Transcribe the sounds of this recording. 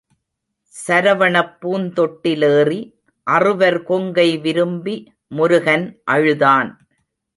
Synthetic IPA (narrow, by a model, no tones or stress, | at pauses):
sɐɾɐʋɐɳɐpːuːnt̪ɔʈːɪleːri | ʔɐrɯʋɐɾkɔŋɡɐɪʋɪɾɯmbi | mʊɾʊɣɐnʔɐɻɯðaːn